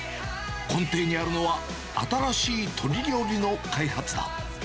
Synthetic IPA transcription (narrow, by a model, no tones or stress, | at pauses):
kõ̞nt̪e̞ːɲ̟iaɾɯ̟no̞βa | a̰t̪aɾaɕiːt̪ʰo̞ɾʲiɾʲo̞ːɾʲino̞kaihat͡sɨd̪a̰